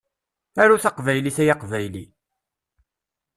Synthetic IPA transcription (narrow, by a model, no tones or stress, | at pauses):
æɾuθɑqvæjliθæjɑqvæjli